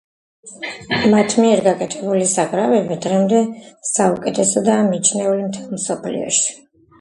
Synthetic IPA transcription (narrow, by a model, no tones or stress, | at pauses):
mat̪ʰmiɛɾɡakʼɛt̪ʰɛbulisaʁʼɾavɛbid̪ʁɛmd̪ɛsaukʼɛt̪ʰɛsɔd̪aːmit͡ʃʰnɛulimt̪ʰɛlˠmsɔpʰlḭɔ̰ʃi̥